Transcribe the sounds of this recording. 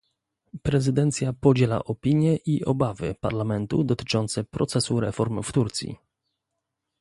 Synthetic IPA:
pɾɛzɘd̪ɛnt̪sʲjapɔd͡ʑɛla̰ʔɔpʲiɲjɛʔiʔɔbavɘ̰pa̰ɾlamɛnt̪ud̪ɔt̪ɘ̥t͡ʂɔnt̪sɛpɾɔt̪sɛsuɾɛfɔɾmft̪uɾt̪sʲjḭ

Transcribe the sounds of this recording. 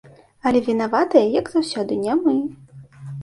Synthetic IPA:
ɐlʲɛvʲinavat̪ɐjɐjɐɡz̥awsʲɔd̪ɨnʲamɨ

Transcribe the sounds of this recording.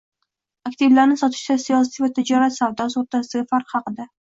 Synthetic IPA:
ak̚ʲt̪ʰɪvlaɾnɪsɒt̪ʰɪ̥ʃt̪asijɒsɪvat̪ʰɪd͡ʒɒɾat̪savd̪ɒzoɾt̪ʰasd̪aɡʲafaɾqhɑqɨd̪a

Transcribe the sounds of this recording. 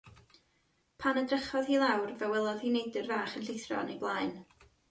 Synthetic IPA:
pʰanədrəχɔðhiːlˠawrvɛwɛlˠɔð̥hiːnejdɪrvaːχənɬɪjθrɔ̰nejblˠaːjn

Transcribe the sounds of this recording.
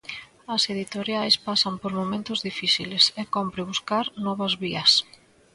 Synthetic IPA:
ɐseðit̪oɾjajspasɐmpoɾmomẽnt̪ʊzðifiθilesekompɾɪβuskaɾnɔβɐzβiɐs

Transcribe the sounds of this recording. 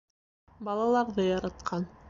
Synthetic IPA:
bɑlˠɑlˠɑɾðɤjɑɾɑt̪̚qʰɑn

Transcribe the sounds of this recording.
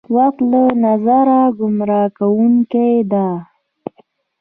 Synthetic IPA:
waxt̪lanazaɾaɡʊmɾɑkawuŋkejd̪a

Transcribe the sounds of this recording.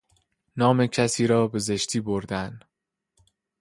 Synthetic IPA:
nɒːme̞cʰæsiːɾɒːbe̞ze̞ʃt̪ʰiːboɾd̪æn

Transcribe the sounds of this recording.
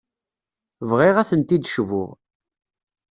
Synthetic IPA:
vʁiʁæθənt̪id̪ʃvʊ̰ʁ

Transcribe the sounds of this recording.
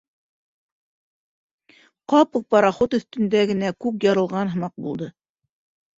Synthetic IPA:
qɑpɤq̚pɑɾɑχot̪ɵ̆θt̪ɵ̆nd̪æɡɘ̆nækʉpjɑɾɤ̆lˠʁɑnɦɤ̆mɑq̚bulˠd̪ɤ

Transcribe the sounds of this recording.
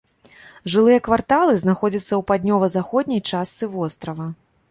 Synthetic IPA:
ʐɨlˠɨjɐkvart̪alˠɨznaxɔd͡zʲɐt̪sːɐwpad̪ʲnʲɔvɐzaxɔd̪ʲnʲɐjt͡ʂast̪sɨvɔst̪ɾɐvɐ

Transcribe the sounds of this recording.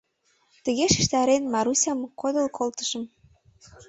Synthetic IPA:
t̪ə̆ɣeʃi̥ʃt̪ɑɾenmɑɾusʲɑmkod̪ə̆lkʰolt̪ə̥̆ʃə̆m

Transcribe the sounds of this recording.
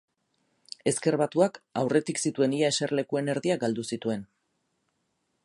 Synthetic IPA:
e̞ske̞ɾβat̪uakawre̞t̪iksit̪ue̞niae̞se̞rle̞kue̞ne̞ɾðiaɡald̪usit̪ue̞n

